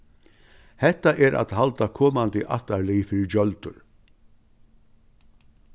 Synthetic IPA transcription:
hɛht̪aʔɛɾʔa̰t̪ɦalt̪akʰɔːmant̪ɪʔa̰ht̪alijfɪɾɪɾd͡ʒœlt̪ʊ̰ɾ

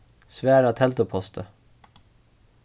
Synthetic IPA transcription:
sʋæːɾɑːt̪ʰɛlt̪əpʰɔst̪ʰə

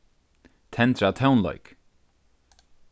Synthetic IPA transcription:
t̪ʰɛnt̪ɾat̪ʰawnlɔ̰ʏk

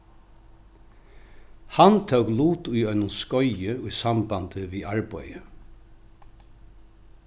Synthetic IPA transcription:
hant̪ʰœwkluːt̪ʊjœʏnʊnskɔʏjɪʊjsambant̪əʋiːaɹpœʏjə

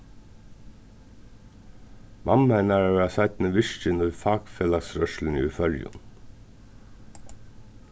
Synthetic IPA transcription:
mʔɑmænæːɹɑɑsæɪt̪n̩əʋɪʃt͡ʃənɔfɑːɡfeːlɑsɾœʃl̩n̩ḭːfœljʊ̰n

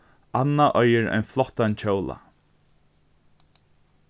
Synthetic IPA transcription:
anːaʔœjəɾa̰jnflɔht̪ant͡ɕʰowla̰

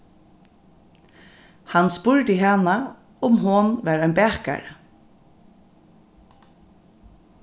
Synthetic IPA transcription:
hanspʊɹd̪ɪɦaːna | ʊmɦʊnʋæːɾanbæːhka̰ɹ

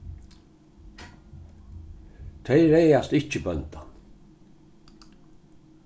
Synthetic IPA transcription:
t̪ʰɛɪɾɛjast̪ɪt͡ʃəbœnt̪an

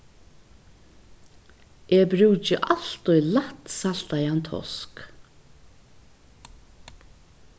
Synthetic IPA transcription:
ʔeːbɾʉːt͡ʃɪʔalt̪ʊjlat̪sal̥t̪ajant̪ʰɔ̰sk

